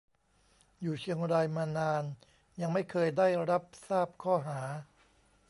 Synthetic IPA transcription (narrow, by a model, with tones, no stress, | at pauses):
juː˨˩t͡ɕʰi˧əŋɾaː˧jmaː˧naː˧n | ja˧ŋma˥˩jkʰɤː˧jdaː˥˩jɾa˦˥p̚saː˥˩p̚kʰɔː˥˩ɦaː˩˦